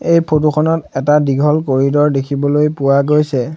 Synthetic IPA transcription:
ejpʰotuxʰɔnɔtɛtadiɡʱɔlkoɹidɔɹdekʰibɔlojpʊwaɡojsɛ

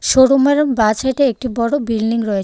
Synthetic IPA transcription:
ʃoɽumeɾonbat͡ɕaʈeek̚ʈibɔɽobilniŋɾɔet͡ɕʰ

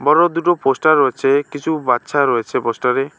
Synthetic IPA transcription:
bɔɾɔd̪uʈɔposʈaɾːɔet͡ʃʰekit͡ʃʰubat̪ːʃʰaɾɔet͡ʃʰeposʈaɾe

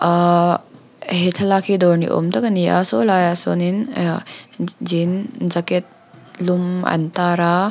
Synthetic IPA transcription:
ɦetʰɐlakʰidɔɾnḭʔo̰mtɐkɐnija̰solajasonin | zinzaket̚ | lumɐ̰ntaɾa

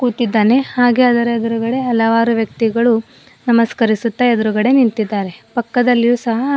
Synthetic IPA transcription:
kuːt̪id̪ːaːne̞haːɡe̞ɐd̪ɐɾed̪ɐɾuɡɐɽe̞ɐlːɐʋaːɾuʋjɐk̚t̪iɡɐɭu | nɐmɐskɐɾisut̪ːɐed̪ɐɾuɡɐɽe̞nint̪id̪ːaːɾe̞pɐkːɐd̪ɐlːijuːsɐɦɐ

